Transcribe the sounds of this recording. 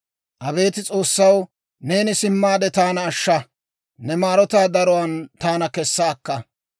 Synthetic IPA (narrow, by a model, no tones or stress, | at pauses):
ʔɐbe̞ːt̪ɪt͡sʼo̞ːsːɐw | ne̞ːnɪsɪmːaːd̪ɛt̪aːnɐːʃːɐ | nɛmaːɾɔt̪aːd̪ɐɾɔwɐnt̪aːnɐkɛsːaːkːɐ